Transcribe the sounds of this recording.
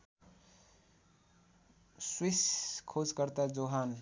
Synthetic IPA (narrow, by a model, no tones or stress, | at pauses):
swiskʰod͡zkʌɾt̪ad͡zoɦan